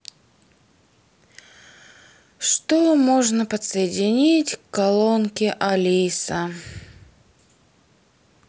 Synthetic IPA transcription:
ʂt̪omoʐnəpət̪səjɪdʲɪnʲitʲkːɐlˠonkʲɪʔɐlʲisə

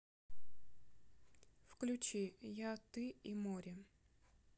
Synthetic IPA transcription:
fklʲʉt͡ɕijat̪ɨimoɾʲɪ

